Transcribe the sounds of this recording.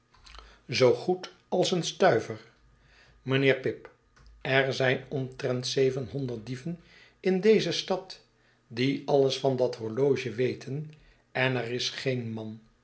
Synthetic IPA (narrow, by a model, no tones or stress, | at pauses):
zowχut | ɑlˠsənstœɥvəɹ | mənɪːɹpɪp | ɛɹzɛjnɔmtrɛntsejvənɦɔndəɹt̚divən | ɪndejzəstɑt | diɑləsfɑndɑtɦɔɹlowʒəʋejtʰən | ɛnɛrɪsχejnmɑn